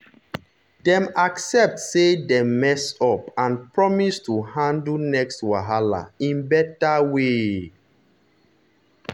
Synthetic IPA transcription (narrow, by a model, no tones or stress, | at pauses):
dɛ̃maksɛp̚tsedɛ̃mːɛsɔpãnpɹɔmistuhãndnɛkstwaɦala̰ĩnbɛtawe